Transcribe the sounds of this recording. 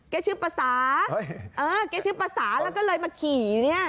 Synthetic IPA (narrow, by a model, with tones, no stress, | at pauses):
kɛː˧˥˩t͡ɕʰɯː˦˥˩paː˧saː˩˦ʔɤː˧kɛː˧˥˩t͡ɕʰɯː˦˥˩paː˧saː˩˦lɛː˧˦˥wkɔː˥˩lɤː˧jmaː˧kʰiː˨˩ni˥˩ɐ